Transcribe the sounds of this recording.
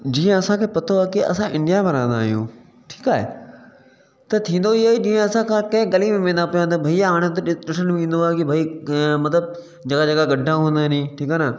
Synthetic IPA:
d͡ʑiːə̃ɐsãkʰeːpɐt̪ʰoaːkiɐ̰sãʔɪ̃ɳɖijabɐɾãːnd̪aːɦijṵ̃ː | ʈʰiːkaːɦḛ | t̪ɐt̪ʰĩːnd̪oiɦaːɦed͡ʑĩːə̃ɐsãkʰãkɐ̃ɦɪ̃ɡɐlimẽmẽːnd̪apijãt̪bʱɐiaːɽ̃et̪̬ɗɪʈʰənĩːnd̪oaːɦkibʱɐimɐt̪ləb | d͡ʑɐɡad͡ʑɐɡaɡɐɖʱãɦũnd̪anĩʈʰiːkaːna

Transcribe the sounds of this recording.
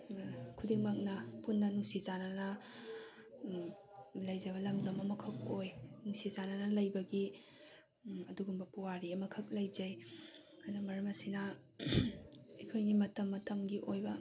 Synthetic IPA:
kʰudiŋmak̚nɐpunːɐnusizanɐnɐ | lɐjzɐβɐlɐmlɐmɐmɐkʰɐk̚ojnusizanɐnɐlɐjbɐɡi | ɐduɡumbɐpuwaɾiɐmɐkʰɐk̚lɐjd͡ʒɐj | ɐdɐmɐɾɐmɐsinɐ | ejkʰojɡimɐtɐmːɐtɐmɡiʔojbɐ

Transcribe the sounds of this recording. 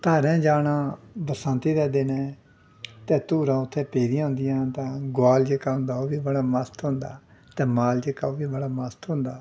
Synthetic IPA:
t̪aːɾɛ̃ːd͡ʒaːnãːbəsãnt̪iːd̪ɛːd̪eːnɛ̃ː | t̪ɛ̃ːt̪uːɾãːʊt̪ʰːeːpeːd̪ijãːɦʊ̃nd̪ɪjãːt̪ãːɡʊaːld͡ʒəkːaːʊ̃nd̪aːoːbiːbəɽaːməst̪ʊ̃ːnd̪a̰ːt̪ɛ̃ːmaːld͡ʒəkːaːoːbiːbəɽaːməst̪ɦʊ̃ːnd̪aː

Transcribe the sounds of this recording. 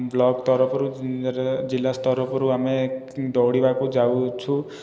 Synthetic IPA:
blɔɡt̪ɔɾɔpʰɔɾuɾd͡ʒilːast̪ɔɾɔpʰɔɾuame | d̪ɔwɽibakud͡ʒawt͡ʃʰu

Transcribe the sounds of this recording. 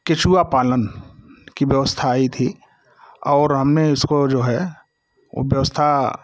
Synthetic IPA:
ket͡ʃuapaːlənkibjəʋəst̪ʰaːit̪ʰi | ɔːɾɦɐmneɪskod͡ʒoːɦɛ | o̰bjəʋəst̪ʰa

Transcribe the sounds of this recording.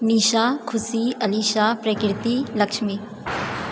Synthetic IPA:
niːʃakʰʊsiɐliːʃapɾəkɾɪt̪ilɐkʃmi

